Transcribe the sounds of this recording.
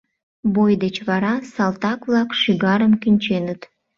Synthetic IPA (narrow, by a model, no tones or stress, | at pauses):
bojd̪et͡ɕβɑɾɑsɑlˠt̪ɑkβlɑkʃiɣɑɾəmkinʲt͡ɕenət̪